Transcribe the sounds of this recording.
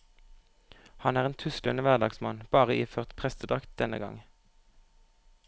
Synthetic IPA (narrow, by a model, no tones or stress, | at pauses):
hɑnæːʁeːnt̪ʰʉsklənəʋæʁd̪ɑːɡsmɑnb̥ɑːʁəiːføːʁt̪pʰʁɛst̪əd̪ʁɑkt̪̚d̪̥ɛnə̰ɡɑ̰ŋ